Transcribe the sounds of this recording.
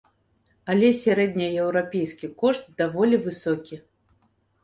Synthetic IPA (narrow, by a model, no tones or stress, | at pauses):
alʲɛsʲaɾɛd̪̚ʲnʲɐɛwɾapʲejskʲikɔʂt̪̚d̪avɔlʲivɨsɔkʲi